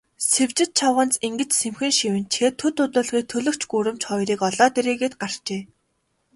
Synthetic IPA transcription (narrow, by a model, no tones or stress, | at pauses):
sewt͡ɕɪ̆t̪̚t͡ɕʰawʁə̆nt͡siŋɡɘ̆t͡ɕsemxɘ̆ŋʃiwɘ̆nt͡ɕʰxeːt̪ʰːɵt̪ʊt̪ʊːɮʁiːk̚t̪ʰɵɮɵ̆kt͡ɕʰɡuːɾɘ̆mt͡ɕχɔjɾiːkɔɮɔːt̪eɾeːɣeːt̪̚ɢar̥t͡ɕeː